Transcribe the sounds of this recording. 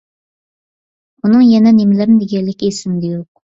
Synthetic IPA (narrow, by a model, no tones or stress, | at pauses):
unɨŋjɛnɛnemlɪɾd̪eɡʲɛlːɪkʲesɪmd̪ɪjoq̚